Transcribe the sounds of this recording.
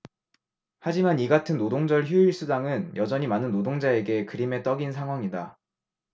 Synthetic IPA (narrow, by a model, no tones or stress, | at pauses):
had͡ʑimaniɡatʰɯnːodoŋd͡ʑʌɭçjuiɭs͈udaŋɯnjʌd͡ʑʌɲimanɯnːodoŋd͡ʑae̞ɡe̞kɯɾime̞t͈ʌɡinsʰaŋɦwaŋida